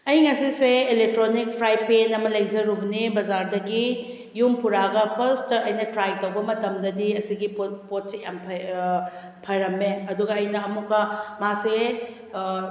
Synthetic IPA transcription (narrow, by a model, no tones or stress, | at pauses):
ɐjŋɐsiseːlek̚tɾonik̚pʰɾajpenɐmɐlɐjd͡ʒɐɾubnibɐzaɾdɐɡi | jumpuɾaɡɐpʰɐɾstɐjnɐtɾajtɐwbɐmɐtɐmdɐdiɐsiɡipopot̚sejampʰ | pʰɐjɾɐmːeɐduɡɐːjnɐɐmukːɐmase